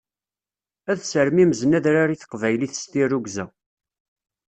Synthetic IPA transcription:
æðsəɾmiməznæðɾaɾiθə̥qvæjliθəst̪irːuɡzæ

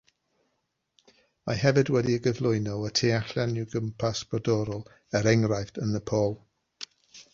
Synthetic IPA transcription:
maɦɛvɨdwɛdiəɡəvlˠʊɨnɔwətʰeːaɬanɪwɡəmpʰasb̥ɔdɔɾɔlˠ | əɾɛŋɾajfdənəpʰoːlˠ

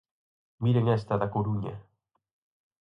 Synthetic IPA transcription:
miɾeŋɛst̪aðakoɾuɲa

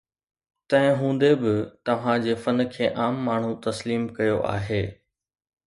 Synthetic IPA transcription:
t̪ɐ̃ɦɪ̃ɦũːn̆d̪ebɪt̪ɐʋ̤ãd͡ʑeːfɐn̆kʰeːʔaːmːaːɳ̤ut̪ɐsliːmkɐjoʔa̰ːɦeː

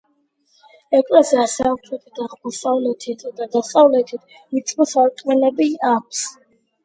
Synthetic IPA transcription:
ɛkʼɾɛsiasɛamt̪ʰɛt̪ʰʼit̪ʰaχmasʼavlɛt̪ʰit̪ʰd̪ad̪asʼavlɛt̪ʰit̪ʰ | mit̪sʼmɔsaɾt̪ʼmɛnɛbiakʰs

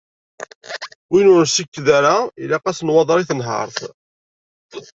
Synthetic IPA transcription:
winʊɾsəkːðaɾailaqæsnwɑðˤɾˤiθənɦə̰ɾˤθ

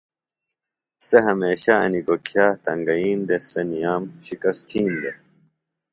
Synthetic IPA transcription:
seɦɐmeːɕaɐ̰nikokʰjaːt̪ɐŋɡɐjiːnd̪esenijaːmɕikɐst̪ʰiːnd̪e

